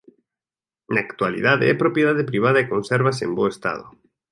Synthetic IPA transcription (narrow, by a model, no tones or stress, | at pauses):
naːkt̪walḭðaðɪ̰ɛpɾopjeðaðɪpɾiβ̞aðɐekõnsɛɾβasḛmboest̪a̰ðʊ̰